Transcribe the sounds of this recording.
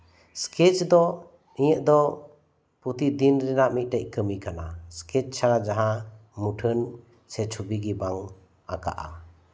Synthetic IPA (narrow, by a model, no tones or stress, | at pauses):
skʰet͡ʃd̪ɔ | niɲəʔ̚d̪ɔ | put̪id̪inɾɛnamit̚ʈaʔ̚kəmikʰanaskʰet͡ʃsʰaɾad͡ʒaɦãmuʈʰən | set͡ʃʰubiɡibaŋ | aka̰ʔa̰